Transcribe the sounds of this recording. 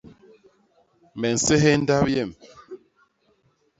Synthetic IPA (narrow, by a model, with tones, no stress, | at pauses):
mɛ˨n̩˨sɛ˦ɦɛ˦n̩˦da˦p̚jɛ˦˨m